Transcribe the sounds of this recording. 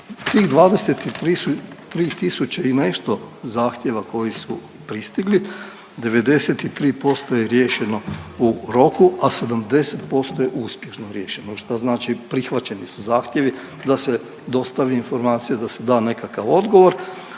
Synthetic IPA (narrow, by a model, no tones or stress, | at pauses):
t̪iːɣd̪ʋaːd̪e̞se̞t̪iɾiut̪ɾiːt̪isut͡ɕeine̞ʃt̪o̞zaːxt̪je̞ʋako̞jisu | pɾist̪iɡli | d̪e̞ʋe̞d̪e̞set̪it̪ɾiːpo̞st̪o̞jeɾjeːʃe̞no̞uɾo̞kuase̞d̪amd̪e̞set̪po̞st̪ojeʔuːspje̞ʃno̞ɾje̞ːʃenoʃt̪aznaːt͡ʃipɾixʋat͡ɕe̞nisuzaːxt̪ʲje̞ʋi | d̪ase | d̪o̞st̪aʋiiːnfo̞ɾmaːt̪sijad̪ase̞d̪aːne̞kakaʋo̞d̪ɡo̞ʋo̞ɾ